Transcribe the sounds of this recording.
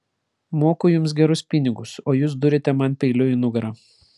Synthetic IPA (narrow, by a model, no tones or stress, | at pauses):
moːkʊjʊms̬ɡʲɛɾʊspʲɪnʲɪɡʊsoːjuːs̬d̪ʊɾʲɪt̪ʲɛmɐnpʲɛɪlʲʊɪnʊɡɐɾɐː